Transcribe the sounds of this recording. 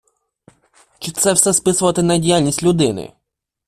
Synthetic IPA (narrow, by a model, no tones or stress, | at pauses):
t͡ʃɪt̪sɛwsɛspɪsʊʋɐt̪ɪnɐdʲijalʲnʲisʲtʲlʲʊd̪ɪnɪ̰